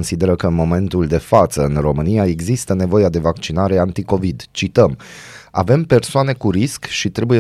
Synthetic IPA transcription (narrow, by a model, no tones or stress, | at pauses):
nsid̪e̞ɾəkəɨnmo̞me̞nt̪uld̪e̞fat̪səɨnro̞mɨnijae̞ɡzist̪əne̞vo̞jad̪e̞vakt͡ʃinaɾe̞ant̪iko̞vid̪t͡ʃit̪əma̰ve̞mpe̞rsoane̞kuɾiskʃit̪ɾe̞buje